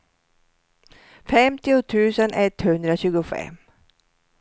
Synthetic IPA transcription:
fɛmt̪ɪʊt̪ʰʉ̟ːsənɛt̪hɵnd̪ɾaɕʉ̟ːɡʊfɛ̰m

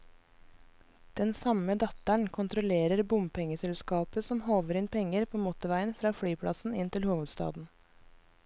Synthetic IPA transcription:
d̪̥ɛnsɑməd̪ɑt̪æɳkʰʊnt̪ʰɾʊleːɾəɾbʊmpʰɛŋəsɛlskɑːpəsɔmhoːʋəɾɪnpʰɛŋəɾpʰoːmɔt̪ʊʋæɪənfɾɑːfɽyːpʰɽɑ̰sn̩ɪnt̪ʰɪlhuːʋəd̪st̪ɑ̰ːd̪n̩

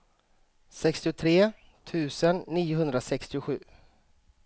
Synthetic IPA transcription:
sɛkst̪ɪʊt̪ʰɾeː | t̪ʰʉ̟ːsənːiːʊɦɵnd̪ɾasɛkst̪ɪʊɧʉ̟ː

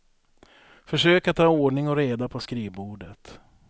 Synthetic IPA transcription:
fœʂøːkat̪ʰːɑːoːɖɳɪŋɔɾeːd̪apʰɔskɾiːvbuːɖət̪

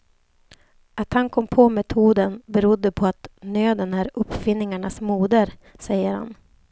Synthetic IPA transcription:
at̪hankʰɔmːpʰɔmɛt̪ʰuːd̪ənbɛɾʊd̪ːəpʰɔat̪nøːd̪ənæːɾɵpːfɪnːɪŋaɳasmuːd̪əɾ | sɛjːəɾha̰n

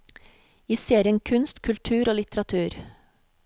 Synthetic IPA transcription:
iːseːɾɪənkʰʉnst̪kʰʉlt̪ʰʉːɾoːlɪt̪əɾɑt̪ʰʉːɾ

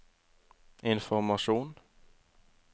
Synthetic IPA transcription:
ɪnfɔɾmɑʂuːn

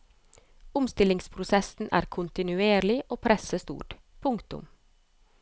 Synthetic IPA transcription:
ʊmst̪ɪlɪŋspʰɾʊsɛsn̩ʔæ̰ːɾkʰʊnt̪ɪnʉeːɾlɪʔoːpʰɾɛsəst̪ṵːʈ | pʰʊŋkt̪ʊ̰m

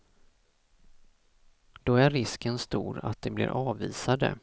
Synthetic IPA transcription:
d̪̥ɔæɾːɪskənst̪ṵːɾa̰t̪̚d̪ɛblɪ̰ɾʔɑːviːsad̪ə̰

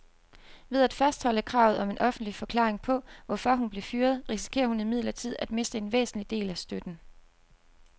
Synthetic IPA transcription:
ʋe̝ð̞ˠæd̥fæsd̥hɒ̽ləkʰʁɑ̈ʊð̩ˠɒ̽me̝nʔɒ̽fn̩d̥lifɒ̽kʰlɑ̰̈ːʁeŋpʰɒ̽ʋɒfɒ̽ɦunb̥le̝fyːɐð̞̩ˠʁisi̥kʰe̝̰ːɐhunimið̞̰ˠlɐt͡sʰið̞̰ˠæd̥me̝sd̥əe̝nʋḛːsn̩lid̥e̝̰ːlæsd̥ød̥n̩

